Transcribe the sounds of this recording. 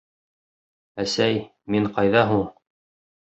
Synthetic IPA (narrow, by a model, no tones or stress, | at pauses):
æsæj | miɴqɑjðɑɦuɴ